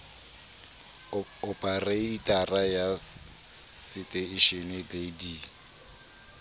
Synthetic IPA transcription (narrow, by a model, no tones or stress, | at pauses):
ɔpʼareitʼaraja | sɪtʼɛɪʃenededi